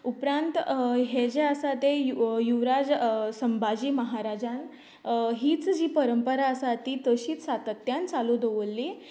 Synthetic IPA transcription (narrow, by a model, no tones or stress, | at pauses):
upɾant̪ɦed͡ʑeəsat̪ejujuʋɾad͡zsəmbad͡ʑiːməɦaɾad͡ʑan | ɦiːt͡sd͡ʑiːpəɾəmpəɾaəsat̪iːt̪əɕiːt͡ssat̪ət̪jãnt͡salud̪oʋəlːi